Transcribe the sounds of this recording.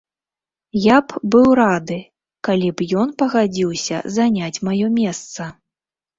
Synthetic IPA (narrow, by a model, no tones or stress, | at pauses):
japbɨwɾad̪ɨ | kalʲipjɔnpɐɣad͡zʲiwsʲɐ̰zanʲat͡sʲmajɔmʲɛst̪sɐ